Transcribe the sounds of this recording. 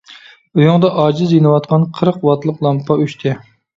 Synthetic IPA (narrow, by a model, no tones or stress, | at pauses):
ujuŋd̪ɑʔɑːd͡ʒɪzjinɨwɑt̪̚qʰɑnqʰəɾqwɑt̪ʰlˠəqlˠɑmpʰɑyʃt̪ʰɪ